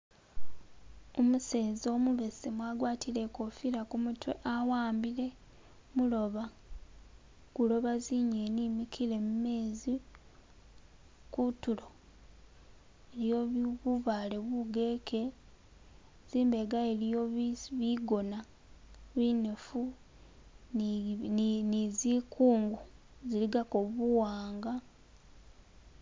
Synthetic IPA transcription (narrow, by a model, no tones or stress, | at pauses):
omuseːzo̞ːmuβe̞semwaɡwaːtile̞kofiɾakumutwḛʔawaːmbile̞ | mulo̞βa | kulo̞βaziɲeːniːmikʰile̞mume̞ːzi | kutulo̞ | eljoββuβaːleβuɡekʰe | ziːmbeɡaelijoββiɡo̞na | βinefu | nizikʰuːŋɡu | ziliɡakoβuwaːŋɡa